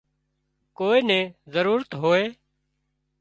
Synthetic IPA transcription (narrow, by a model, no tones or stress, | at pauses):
koːeːnɛ̃ːzəɾuːɾət̪ɦoːeː